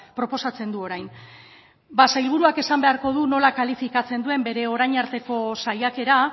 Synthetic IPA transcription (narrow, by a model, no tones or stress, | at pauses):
pɾo̞po̞sat͡se̞nd̪uo̞ɾajn | basajlβ̞uɾuake̞sambe̞aɾko̞ð̞uno̞lakalifikat͡se̞nd̪ue̞mbe̞ɾe̞o̞ɾajɲaɾt̪e̞ko̞sajake̞ɾa